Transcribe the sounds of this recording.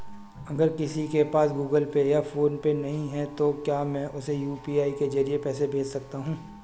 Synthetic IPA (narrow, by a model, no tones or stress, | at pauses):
ɐɡəɾkɪsikepaːsɡuːɡəlpejafoːnpenɐɦĩɦɛt̪okjaːmɛ̃ːʔʊsejuːpiaːiked͡ʒɐɾiepɛːsebʱeːd͡ʒsɐk̚t̪aɦũː